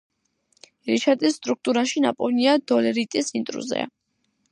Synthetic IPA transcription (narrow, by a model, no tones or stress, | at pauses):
ɾit͡ʃʰat̪ʼisːt̪ʼɾuk̚ʰt̪ʼuɾaʃina̰pʼɔniad̪ɔlɛɾit̪ʼisint̪ʼɾṵzɛ̰